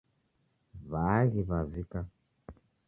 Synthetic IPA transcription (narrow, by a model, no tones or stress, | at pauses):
βaɣiβazika